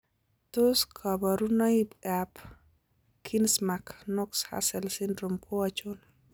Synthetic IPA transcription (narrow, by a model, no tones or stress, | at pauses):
toskʰabɔɾunɔibap | kʰinsmaknɔksha̰sɛlsɪndɾompʰɔat͡ʃʊn